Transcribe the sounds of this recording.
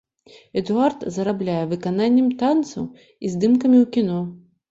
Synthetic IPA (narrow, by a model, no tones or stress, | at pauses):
ɛd̪uart̪zɐɾablʲajɛvɨkananʲːɛmt̪ant̪sɐ̰w | izd̪ɨmkɐmʲiwkʲin̪ɔ